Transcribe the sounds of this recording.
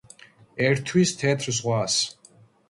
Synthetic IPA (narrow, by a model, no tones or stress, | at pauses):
ɛɾt̪ʰwiːst̪ʰɛːt̪ʰrzʁʷɑːs